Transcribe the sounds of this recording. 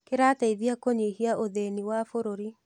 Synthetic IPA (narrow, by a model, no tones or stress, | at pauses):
keɾaːtaiðiakoɲihiaʔoðeniwafoɾoɾi